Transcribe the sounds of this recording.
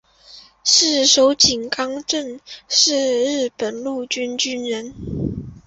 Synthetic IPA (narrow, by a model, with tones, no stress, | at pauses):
ʂɻ̩˥˩ʂo˧˥ʊt͡ɕi˨˩ŋkɑ˥ŋʈ͡ʂə˥˧nʂɻ̩˥˧ɻɻ̩˥˩pə˨˩nlu˥˩t͡ɕy˥nt͡ɕy˥nɻə˧˥n